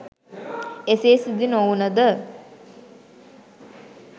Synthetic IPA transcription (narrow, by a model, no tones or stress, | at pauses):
eseːsid̪inounəd̪ə